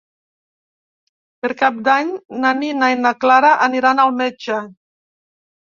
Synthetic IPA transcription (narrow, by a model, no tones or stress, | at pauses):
peɾkap̚d̪aɲnaninajnaklaɾaʔəniɾanalˠmed͡ʒə